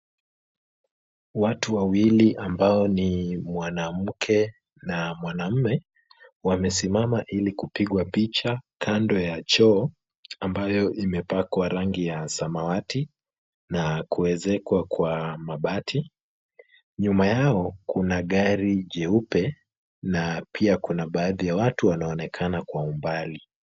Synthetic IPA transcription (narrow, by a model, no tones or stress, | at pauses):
watuwawiliʔambaɔnimwanam̩kʰɛ | namwanam̩mɛ | wamɛsimamaʔilikupiɠwapit͡ʃakʰandɔjat͡ʃɔː | ambajɔʔimɛpakwaɾaŋɡijasamawati | nakuɛzɛkwakwamaɓatʰi | ɲumajaɔkunaɠaɾiʄɛupɛ | napʰiakunaɓaːðijawatuwanaɔnɛkʰanakwaumbali